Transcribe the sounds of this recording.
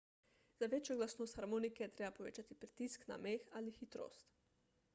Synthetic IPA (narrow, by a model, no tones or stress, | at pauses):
z̥aʋet͡ʃjɔɡlasnoːst̪xaɾmoːnikɛt̪ɾeːbapoʋḛːt͡ʃat̪ipɾi̥t̪iskna̰meːxalixit̪ɾo̰ːst̪